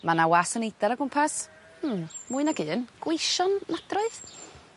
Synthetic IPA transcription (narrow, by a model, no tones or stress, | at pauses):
manawasənejd̥aɾaɡʊmpʰas | m̩muːɨnaɡɨːnɡ̥wejʃɔnnadrɔɨð